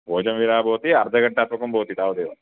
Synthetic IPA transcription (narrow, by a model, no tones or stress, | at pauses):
boːd͡ʒɐmʋiɾaːboːt̪iɐɾd̪ʱɐɡɐʈnaːt̪mɐkɐmboːt̪it̪aːwɐd̪eːʋɐ̰